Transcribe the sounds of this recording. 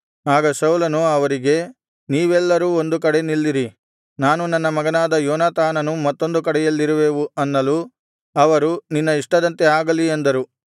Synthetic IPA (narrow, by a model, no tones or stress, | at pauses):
aːɡɐsɐwlɐnuɐʋɐɾiɡe̞ | niːʋɛlːɐɾuːo̞nd̪uk̬ɐɽe̞nilːiɾi | naːnunɐnːɐmɐɡɐnaːd̪ɐjɔːnaːt̪aːnɐnumɐt̪ːo̞nd̪ukɐɽɛjɐlːiɾuʋeːʋuɐnːɐlu | ɐʋɐɾuninːɐiʂʈɐd̪ɐnt̪eaːɡɐliend̪ɐɾu